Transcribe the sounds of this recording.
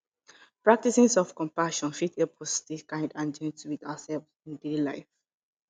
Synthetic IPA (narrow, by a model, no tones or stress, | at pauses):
pɹak̚tisĩsɔfkɔ̃mpaʃɔ̃nfitebɔstekãɪ̃ndãnd͡ʒɛ̃ntwitasɛlvsĩndelaɪf